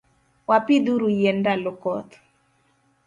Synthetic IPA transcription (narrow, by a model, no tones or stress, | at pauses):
wapid̪uɾujendalɔkɔt̪